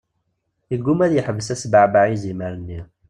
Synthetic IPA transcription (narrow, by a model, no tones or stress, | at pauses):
iɡːumæðjəħəvəsæsbaʕbaʕiziməɾənːi